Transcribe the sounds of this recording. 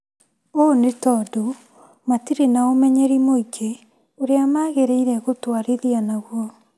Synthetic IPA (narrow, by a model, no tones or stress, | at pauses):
onetɔdo | matiɾenaomɛɲɛɾimoiɡe | oɾeamaɣeɾeiɾɛɣotwaɾiðianaɣwɔ